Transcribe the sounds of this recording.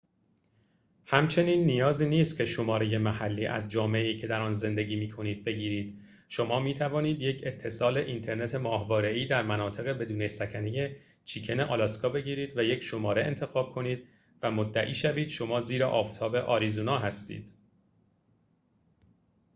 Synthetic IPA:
hæmt͡ʃʰe̞niːnːijɒːziːniːst̪cʰe̞ʃo̞mɒːɾeje̞mæhælːiːʔæ̰zd͡ʒɒːmeeiːcʰe̞d̪æɾɒːnze̞nd̪e̞ɟiːmiːkʰo̞niːd̪̥̚be̞ɡɟiːɾiːd̪̥ | ʃo̞mɒːmiːt̪ʰævɒːniːd̪je̞cʰe̞t̪ʰːe̞sɒːle̞ʔint̪ʰe̞ɾne̞t̪ʰe̞mɒːhvɒːɾe̞iːd̪æɾmænɒːt̪ʰe̞ɣebe̞d̪uːnesæcʰæneje̞ | t͡ʃʰiːcʰe̞ne̞ʔɒlɒskʰɒːbe̞ɟiːɾiːd̪væje̞cʰʃo̞mɒːɾe̞ʔent̪ʰe̞ɣɒːb̥̚kʰo̞niːd̪̥ | væmod̪ːæʔiːʃæviːd̪̥ʃo̞mɒːziːɾeʔɒːft̪ʰɒːbe̞ʔɒːɾizonɒːɦæst̪ḭːd̪̥

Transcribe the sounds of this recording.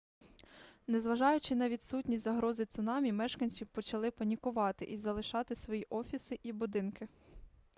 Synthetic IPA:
nɛzʋɐʒɑjʊt͡ʃɪnɐʋʲid̪sutʲnʲisʲzɐɦɾɔzɪt̪sʊnɑmʲimɛʃkɐnʲsʲiwpɔt͡ʃɐlˠɪpɐnʲikʊʋɑt̪ɪ̰ʔizɐlˠɪʃɑt̪ɪsʋɔjiʔɔfʲisɪʔibʊd̪ɪnkɪ

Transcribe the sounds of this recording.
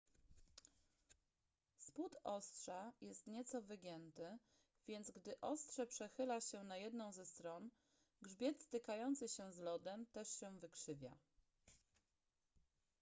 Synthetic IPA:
sput̪ɔst̪ʂajɛst̪ɲɛt̪sɔvɘɡʲjɛnt̪ɘ | vʲjɛnd̪zɡd̪ɘʔɔst̪ʂɛpʂɛxɘlaɕɛnajɛd̪nɔ̃w̃zɛst̪ɾɔn | ɡʐbʲjɛt̪st̪ɘkajɔnt̪sɘɕɛzlɔd̪ɛmt̪ɛʂɕɛvɘkʂɘvʲja̰

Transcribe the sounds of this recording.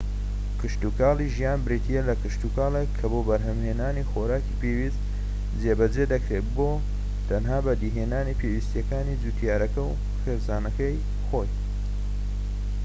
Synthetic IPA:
kʰɨʃt̪ukaːliʒijaːnbɾit̪ʰijelɐkɨʃt̪ukaːlˠekʰːɐboːbɐɾɦɐmheːnaːnixoɾaːkipewist̪ | d͡zebɐd͡ʒed̪ɐkɾet̪boː | t̪ʰɐnɦaːbɐd̪iɦeːnaːnipʰewiːst̪jɐkaːnid͡zut̪ʰjaːɾɐkɐw | xeɾsaːnɐkɐj | xo̞j

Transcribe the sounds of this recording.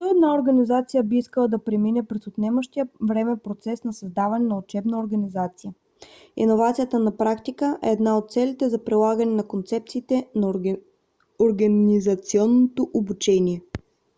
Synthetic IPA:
t̪ɔɛd̪naoɾɡɐnizat̪sijəbiiskəlˠəd̪ɐpɾɛminɛpɾɛsʊt̪nɛməʃt̪ijəvɾɛmɛpɾot̪sɛsnɐsɐzd̪avɐnɛnɐot͡ʃɛbnəoɾɡɐnizat̪sijə | ḭnovat̪sijət̪ənɐpɾakt̪ikəʔɛːd̪naot̪̚t̪sɛlit̪ɛzɐpɾilˠaɡənɛnɐkont̪sɛp̚t̪siːt̪ɛn | oɾɡɐnizɐt̪siɔnːot̪oʔobut͡ʃɛnʲiɛ

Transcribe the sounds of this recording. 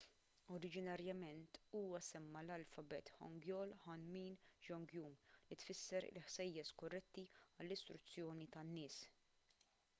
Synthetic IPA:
ɔɾɪd͡ʒɪnɐɾjɐmɛnt̪uːwɐsɛmːɐlɐlfɐbɛt̪ħɔ̰ŋɡjɔːlħɐnmiːnd͡ʒɔŋɡjuːmlit̪fɪsːɛɾɪ̰lħsɛjːɛskɔrːɛt̪ːiɐlːɪst̪ɾʊt͡sːjɔːnit̪ɐnːɪːs

